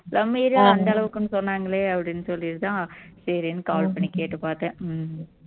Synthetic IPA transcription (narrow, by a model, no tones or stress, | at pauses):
lɐmːiːɾjãːɐnd̪ɐɐɭɐʋɯkːɯnːɯsɔnːaːŋɡɐɭeːɐpːɐɽinːɯsɔlːiɾɯt̪ãːsɐɾinːɯkaːlpɐɳːikeːʈːɯpaːɾt̪ɐ̃ː